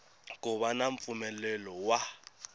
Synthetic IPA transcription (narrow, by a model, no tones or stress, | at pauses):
kʼʊɓanaɱfumɛlɛlɔwa